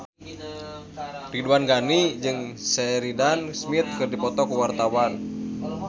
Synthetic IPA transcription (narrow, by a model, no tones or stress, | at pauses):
riduanɡanid͡ʒɨŋsɛɾidansmit̪̚kɨrdipɔt̪ɔkuwart̪awan